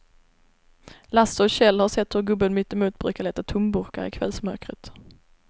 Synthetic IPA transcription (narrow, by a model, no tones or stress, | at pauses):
lasːəɔɕɛlːhaʂɛt̪ːhɵɾɡɵbːənmʏt̪ːɛmuːt̪̚bɾʉ̟ːkaɭɛːt̪at̪ʰʊmbɵɾka̰ɾɪ̰kʰvɛ̰lsmœɾkɾət̪